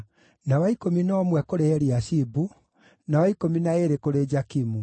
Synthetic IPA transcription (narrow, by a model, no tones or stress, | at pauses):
nawaikominɔːmwɛkoɾeɛɾiaɕibu | nawaikominaeɾekoɾed͡ʒakimu